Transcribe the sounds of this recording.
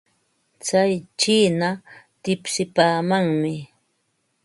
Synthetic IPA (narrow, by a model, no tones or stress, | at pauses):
t͡sajt͡ʃiːnat̪ɪpsɪpaːmaŋmɪ